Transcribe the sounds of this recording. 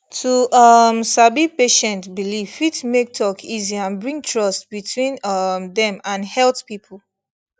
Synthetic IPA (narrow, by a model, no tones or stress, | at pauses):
tʰuʔʌmsabipeʃɛ̃ntbiliv̥fitmek̚tʰɔkʰiziãnbɹĩŋtʰɹʌstbitʰwĩnʌmðɛ̃mãnhɛltpipʰl̩ˠ